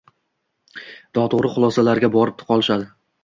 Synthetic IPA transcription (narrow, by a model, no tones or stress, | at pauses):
d̪̥ɒt̪ʰʊʁɾɪχʊlˠɒsalaɾɡʲabɒɾɪp̚t̪ʰʊ̥qʰɒlˠɪʃad̪ɪ